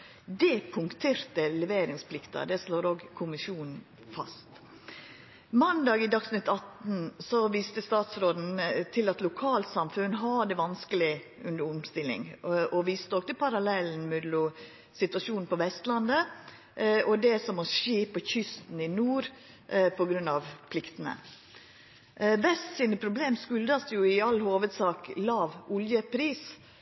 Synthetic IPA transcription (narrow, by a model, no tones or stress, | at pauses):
d̪ɛpʰʊŋkt̪ʰeːɾt̪əlɛʋeːɾɪŋspʰlɪkt̪ɑ̰d̪ɛsloːɾoːɡkʰʊmɪʂuːnn̩ | fɑ̰st̪ | mɑnd̪ɑːɡɪd̪ɑksnɪt̪ːɑt̪n̩sɔʋiːst̪əst̪ɑːt̪sɾoːd̪n̩t̪ʰɪlɑt̪lʊkʰɑːlt̪sɑmfʉnːɦɑd̪ɛʋɑnskəlɪʔʉnd̪əɾʊmst̪ɪlːɪ̰ŋʔɔʋiːst̪ɔkt̪əpʰɑɾɑlɛln̩mʉd̪lʊ | sɪt̪ʋɑʂuːnn̩pʰɔʋɛst̪lɑnd̪ə | ʔɔd̪ɛsɔmɔʂiːpʰːɔçʏst̪n̩ɪnuːɾ | pʰɔɡɾʉnːɑʋpʰlɪkt̪ənə̰ | ʋɛst̪siːnəpʰɾʊbleːmskʉld̪ɑsd̪jʊɪɑlhoːʋəd̪sɑːklɑːʋʔʊljəpʰɾiːs